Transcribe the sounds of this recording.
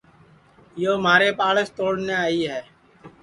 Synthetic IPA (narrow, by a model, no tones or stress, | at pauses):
joːmaːɾeːpaːləst̪oːɽneːaːiːɦɛː